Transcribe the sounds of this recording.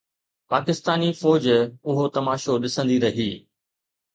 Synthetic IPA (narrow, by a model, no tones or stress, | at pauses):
paːkɪst̪aːnifɔːd͡ʑʊɦot̪ɐmaːʃoɗɪsə̃nd̪iɾɐɦiː